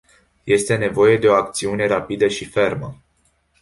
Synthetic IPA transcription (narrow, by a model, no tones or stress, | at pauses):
je̞st̪e̞ne̞vo̞je̞d̪e̞o̞ak̚t̪siune̞ɾapid̪əʃife̞rmə